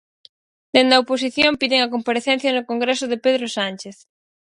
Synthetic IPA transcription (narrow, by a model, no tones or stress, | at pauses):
d̪end̪ɐopos̬iθjompiðeŋɐkompaɾeθɛnθjɐnʊkoŋɡɾesʊðepeðɾosanʲt͡ʃeθ